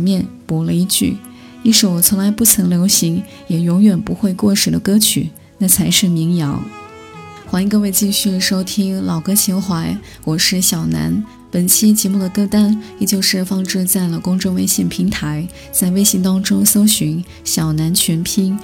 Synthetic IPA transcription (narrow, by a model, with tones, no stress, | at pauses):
mjɛ˥˩npwɔ˧˥lə˧i˥˧t͡ɕy̰˥˩ | i˥˩ʂo˨˩ʊ˩t͡sʰʊ˧˥ŋla˧˥ɪpu˥˩t͡sʰɤ˧˥ŋljo˧˥ʊɕi˧˥ŋ | jɛ˨˩jʊ˧˥ŋɥɛ˨˩npu˧˥xwe˥˧ɪkwɔ˥˩ʂɻ̩˨˩d̪ə˦kɤ˥t͡ɕʰy˨˩ | na˥˩t͡sʰa˧˥ɪʂɻ̩˥˩mi˧˥ŋjɑ̰˧˥ŋ | xwa˥ni˧ŋkɤ˥˧we˥˧ɪt͡ɕi˥˧ɕy˥˩d̪ə˩ʂo˥ʊt̪ʰi˥ŋlɑ˨˩ʊkɤ˥ɕi˧˥xwa˧˥ɪ | wɔ˨˩ʂɻ̩˥˩ɕjɑ˨˩ʊna̰˧˥n | pə˨˩nt͡ɕʰi˥t͡ɕjɛ˧˥mu˥˩d̪ə˩kɤ˥˧t̪a˥nɛ˨˩t͡ɕjo˥˧ʊʂɻ̩˥˩fɑ˥˧ŋʈ͡ʂɻ̩˥˧t͡sa˥˩ɪlə˩kʊ˥ŋʈ͡ʂɤ˥ŋwe˥˧ɪɕjɛ˥˩npʰi˧˥ŋt̪ʰa˧˥ɪ | t͡sa˥˧ɪwe˥ɪɕi˧˥ŋt̪ɑ˥ŋʈ͡ʂʊ˥ŋso˥ʊɕy˧˥ŋ | ɕjɑ˨˩ʊna˧˥nt͡ɕʰɥɛ˧˥npʰi˥n